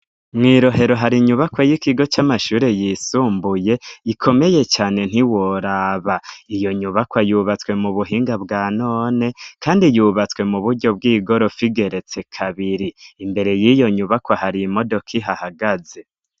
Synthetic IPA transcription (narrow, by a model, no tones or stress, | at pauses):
mŋiːɾo̞ɦe̞ɾo̞ɦaɾiɲuβakwajikiɡo̞t͡ʃamaʃuːɾe̞jisuːmbuje̞ikʰo̞me̞je̞t͡ʃaːne̞n̥hiwoɾaβaijo̞ɲuβakwajuːβat͡swe̞muβuɦiːŋɡabɡaːnoːne̞kʰaːndijuβat͡swe̞muβuɾɟo̞b̚ɡiːɡo̞ɾo̞fiɡe̞ɾe̞t͡se̞kʰaβiɾiimbe̞ɾe̞jijo̞ɲuβakwahaɾimo̞do̞kʰiɦahaɡaze̞